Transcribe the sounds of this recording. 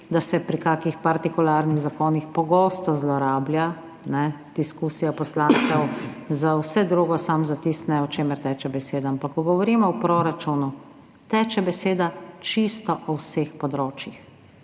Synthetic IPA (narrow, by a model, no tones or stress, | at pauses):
d̪asɛpɾikaːkixpaɾt̪ikulaːɾniɣzakoːnixpɔɡɔːst̪ɔzlɔɾaːblʲja | nɛ | d̪̥iskusijapɔslãːnt̪sɛwzawsɛd̪ɾuːɡɔsamzat̪ist̪nɛɔt͡ʃeːmɛɾt̪ɛːt͡ʃɛbɛseːd̪aampakːɔɡɔʋɔɾiːmɔwpɾoːɾat͡ʃunu | t̪ɛːt͡ʃɛbɛseːd̪at͡ʃist̪ɔʔɔwsexpɔd̪ɾoːt͡ʃjix